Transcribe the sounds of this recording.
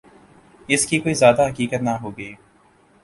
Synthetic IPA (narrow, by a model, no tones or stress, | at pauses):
ɪskikoːizjaːd̪aɦɐkiːkət̪naɦoːɡəiː